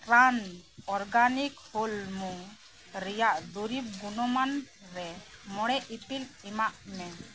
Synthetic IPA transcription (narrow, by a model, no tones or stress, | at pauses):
pɾanɔɾɡanikholmu | ɾɛjaʔd̪uɾib̚ɡunɔman | ɾɛmɔɽ̃ɛʔipilimaʔmɛ